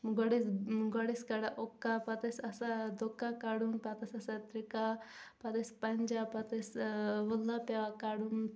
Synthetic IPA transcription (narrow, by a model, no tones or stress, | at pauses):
ɡɔɽisɡɔɽiskɐɽaʔokːapɐt̪ɐsɐsad̪okːakaɽumpɐt̪ɐsʲɐsat̪ɾikapɐt̪ɐspɐnʲd͡ʒapɐt̪ɐsʋulːapaʋakaɽum